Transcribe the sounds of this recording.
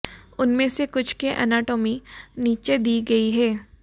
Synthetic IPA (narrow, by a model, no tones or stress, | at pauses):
ʊnmẽsekʊt͡ʃʰkeʔɛ̰naːʈoːminiːt͡ʃed̪iːɡɐiɦɛː